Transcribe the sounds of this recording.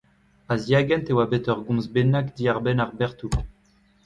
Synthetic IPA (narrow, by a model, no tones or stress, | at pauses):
azjaɡɛnt̪ewabet̪œʁɡɔ̃zbenakd̪iaʁbɛnaʁbɛʁt̪u